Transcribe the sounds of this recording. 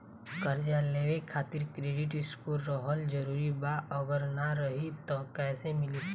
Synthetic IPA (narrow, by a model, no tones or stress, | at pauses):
kəɾd͡ʒaleːʋekʰaːt̪ɪɾkɾeːɖɪʈɪskuɾɾɔɦəld͡ʒəɾuːɾibaəɡəɾnaɾəɦit̪ɔkɛːsemɪli